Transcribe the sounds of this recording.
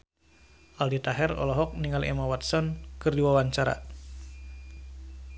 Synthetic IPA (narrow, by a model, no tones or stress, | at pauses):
ʔaldit̪aɦɛrɔ̰lɔɦɔk̚niŋalḛmawat̪sɔnkɨrdiwawaɲt͡ʃaɾa̰